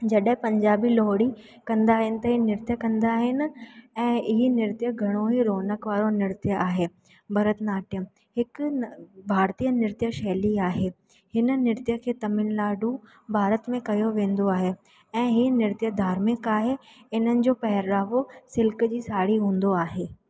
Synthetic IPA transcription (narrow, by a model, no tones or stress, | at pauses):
d͡ʑɐɗɦɪ̃pɐ̃ɲd͡ʑaːbilɔːɽi | kɐ̃nd̪aːɦɪnɪ̆t̪ɐɦiːnɪɾt̪jəkɐ̃nd̪aːɦɪnɪ̆ɛ̃ːɪɦinɪɾt̪jəɡʱɐɽ̃oɦiɾoːnəkʋaːɾonɪɾt̪jəʔaːɦeː | bʱɐɾət̪naːʈjəm | ɦɪk | bʱaːɾt̪iːjənɪɾt̪jəʃɛːliaːɦeː | hɪnənɪɾt̪jəkʰeːt̪ɐmɪnlaːɖũ | bʱaːɾət̪mẽkɐjoʋẽːnd̪oaːɦeː | ɛ̃ːɦiːnɪɾt̪jəd̪ʱaːɾmẽkaːɦe | ɪn̤ənɪ̆d͡ʑoːpɐɦɪɾːaːʋosɪlkd͡ʑiːsaːɽiɦũːn̆d̪oaːɦeː